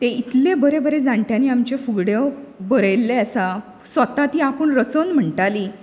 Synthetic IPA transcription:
t̪eit̪lebəɾebəɾed͡zãɳʈjãniːamt͡ɕefuɡɽjəbəɾəjlːeəsa | sʋət̪at̪iːapəɳɾət͡sonm̤əɳʈaliː

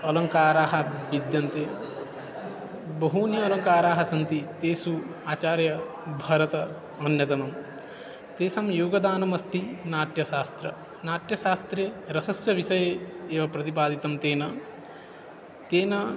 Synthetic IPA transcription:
ɐlɐŋkaːɾaːɦɐʋid̪jɐnt̪e | bɐɦuːnjɐːlɐŋkaːɾaːɦɐsɐnt̪it̪eːsuaːt͡ʃaːɾjɐ | bʱɐɾɐt̪ɐ | ɐnjɐt̪ɐnɐm | t̪eːsɐmjuːɡɐd̪aːnɐmɐst̪inaːʈjɐʃaːst̪ɾɐ̰ | naːʈjɐʃaːst̪ɾeːɾɐsɐsjɐʋiʃɐjeeːʋɐpɾɐt̪ipaːd̪it̪ɐmt̪eːnɐ | t̪eːnɐ

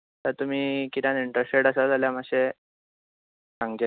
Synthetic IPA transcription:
t̪əɾt̪um̤iːkit̪jãniɳʈɾesʈeɽəsad͡zaljaməɕe | sãŋɡd͡ʑe

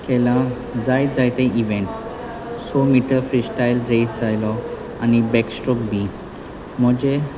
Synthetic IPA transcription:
kɛlã | d͡zajt̪d͡zajt̪eʔiʋẽɳʈ | sɔmiʈəɾfisʈajlɾesd͡zajlɔ | anibɛksʈɔk̚biːt̪ | m̤əd͡ʑe

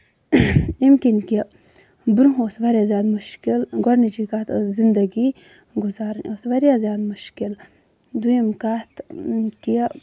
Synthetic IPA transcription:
imkinki | bɾuɦosʋɐɾjazjaːd̪muʃkilɡɔɽnit͡ʃikat̪zind̪ɐɡi | ɡuzaːɾosʋɐɾjazjaːd̪muʃkil | d̪ujemkat̪ki

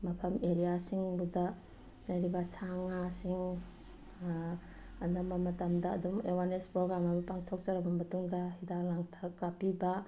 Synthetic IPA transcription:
mɐpʰɐmeɾijasiŋbuda | najɾibasaŋasiŋ | andamamɐtamdaːdumewanespɾoɡɾamamupaŋtʰɔk̚saɾabambɐtuŋdaɦidaklaŋtʰakːapiba

